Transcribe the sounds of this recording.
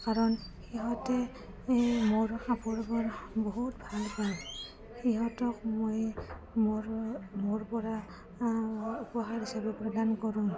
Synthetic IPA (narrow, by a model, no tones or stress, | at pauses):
kaɹɔn | xiɦɔtɛ | moɹxapɔɹbɔɹboɦutbʱalpaɹ | xiɦɔtɔkmoj | mɹmoɹpɔɹa | upɔɦaɹɦisabɔpɹɔdankɔɹũ